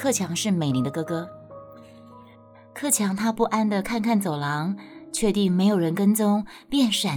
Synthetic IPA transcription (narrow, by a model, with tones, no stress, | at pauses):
kʰɤ˥˩t͡ɕʰjɑ˧˥ŋʂɻ̩˥˩me˨˩ɪli˧˥d̪ə˧kɤ˥kɤ˥ | kʰɤ˥˩t͡ɕʰjɑ˧˥ŋt̪ʰa˥pu˥˩ʔa˥nd̪ə˨kʰa˥˧nkʰa˥˩nt͡so˨˩ʊlɑ˧˥ŋt͡ɕʰɥɛ˥˧t̪i˥˩ŋme˧˥ɪjo˨˩ʊɻə˧˥nkə˥nt͡sʊ˥ŋpjɛ˥˩nʂa˨˩